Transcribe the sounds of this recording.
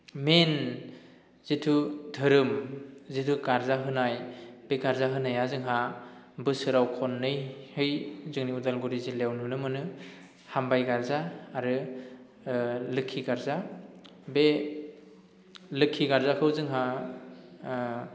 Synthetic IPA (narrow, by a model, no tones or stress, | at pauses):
men | zitʰudʱɯɾɯmzitʰukaɾzaɦɯnajb̥eɡaɾzaɦɯnajazɯŋɦa | bɯsɯɾawkʰɔnːɯjhɯjzɯŋniudalɡuɾizilewnɯnɯmɯnɯ | hambajɡaɾzaːɾɯ | lɯkʰːiɡaɾza | be | lɯkʰːiɡaɾzakʰɯwzɯŋɦa